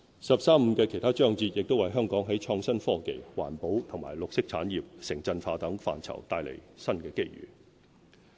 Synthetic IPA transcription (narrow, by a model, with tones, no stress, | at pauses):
sɐ˨p̚saː˥m̩˧kɛː˧kʰjt̪ʰaː˥t͡ʃœː˥ŋt͡siː˧t̚jɪ˨k̚t̪o˥wɐ˨jɦœː˥ŋkɔː˨˥ŋɦɐ˨˥jt͡ʃʰɔː˧ŋsɐ˥nfɔː˥ke˨jwa̰ː˨˩npo˨˥wt̪ʰʊ˨˩ŋma̰ː˨˩jlʊ˨k̚sɪ˥k̚t͡sʰa̰ː˨˥njiː˨p̚sɪ˨˩ŋt͡sɐ˧nfaː˧t̪ɐ˨˥ŋfa̰ː˨nt͡sʰɐ̰˨˩wt̪aː˧jlḛ˨˩jsɐ˥nkɛː˧ke˥jɥy̰ː˨˩